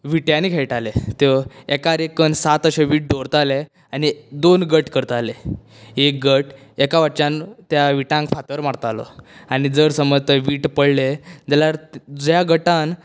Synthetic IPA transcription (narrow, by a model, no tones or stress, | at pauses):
ʋiʈjãnikʰeɭʈalet̪eekaɾekənsat̪əɕeʋiːʈ̚ɖoɾt̪ale | anid̪onɡəʈkəɾt̪ale | ek̚ɡəʈ | ekaʋaʈt͡ɕãnt̪jaʋiʈãŋkfat̪əɾmaɽt̪alɔ̰anid͡zəɾsəməd͡zt̪əʋiːʈpəɽled͡ʑ̪alaɾd͡zjaɡəʈan